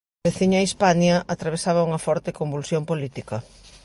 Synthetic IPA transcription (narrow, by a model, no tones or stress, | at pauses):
beθiɲɐispanjɐʔat̪ɾaβ̞esaβɐuŋɐfɔɾt̪ekombulsjompolit̪ikɐ